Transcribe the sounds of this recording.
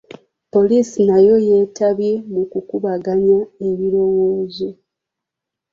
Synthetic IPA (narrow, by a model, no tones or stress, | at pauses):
po̞liːsinajo̞je̞ːtaβjemukukuβaɡaɲae̞βiɾo̞wo̞ːzo